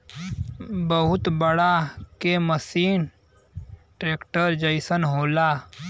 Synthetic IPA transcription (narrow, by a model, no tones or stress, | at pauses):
bəɦʊt̪bəɽakeməsiːn | ʈɾeːkʈəɾd͡ʒəɪsənɦoːlaː